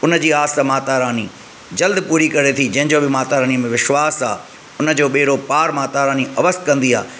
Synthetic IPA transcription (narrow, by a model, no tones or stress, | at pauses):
ʊnə̆d͡ʑiːaːsəmaːt̪aːɾaːni | d͡ʑɐld̪puːɾikɐɾet̪ʰid͡ʑɐ̃ɦɪ̃ɲd͡ʑoːbɪmaːt̪aːɾaːniəmẽʋɪʃʋaːsaː | ʊnə̆d͡ʑoːɓeːɾopaːɾmaːt̪aːɾaːniʔɐʋəst̪kɐ̃nd̪ia̰ː